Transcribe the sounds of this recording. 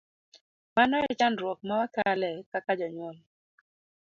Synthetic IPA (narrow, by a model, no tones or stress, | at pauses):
manɔɛt͡ʃanɾwɔk̚mawakalɛkakad͡ʒɔɲwɔl